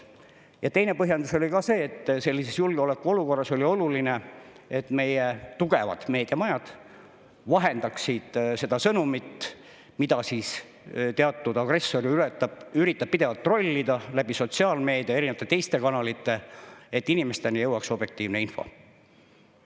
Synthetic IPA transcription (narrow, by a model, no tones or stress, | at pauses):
jɑt̪e̞jne̞pɤɦjɑnd̪uso̞lʲikɑse̞ːt̪ːse̞lːise̞sjulɡ̥eo̞le̞kːˑuo̞luko̞rːɑsolʲio̞luline̞ | et̪ːme̞jet̪uɡe̞vɑ̰d̪̥me̞ːd̪̥jɑmɑjɑd̪̥ | vɑɦe̞nd̪̥ɑksid̪̥se̞d̪̥ɑsɤnumit̪ː | mid̪ɑsiːs | t̪eɑt̪ːˑud̪̥ɑɡ̥re̞sːo̞ɾiylɛt̪ːˑɑb̥yɾit̪ːˑɑb̥̚pid̪e̞vɑlt̪ːˑro̞lʲːid̪ɑlæb̥iso̞t̪siɑːlme̞ːd̪̥iɑe̞ɾinevɑt̪ːˑet̪e̞jst̪e̞kɑnɑlit̪ːˑe̞et̪ːinime̞st̪e̞nijɤwɑkso̞b̥je̞k̚t̪iːvneinfo̞̰